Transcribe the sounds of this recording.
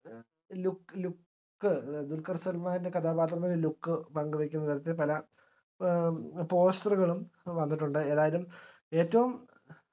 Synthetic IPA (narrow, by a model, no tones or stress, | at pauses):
luklukː | ɨd̪ulkɐrsɐlmaːndekɐd̪ʰʱaːbaːt̪̬rɐnːɐnelukːɨpɐŋɡɨʋekʲːunːɐt̪ɐɾɐt̪̬ːepɐlɐ | po̞ːstɐruɣɐɭumʋɐnːiʈːuɳɖɨe̞ːðaːjɐlum | e̞ːtːɐʋum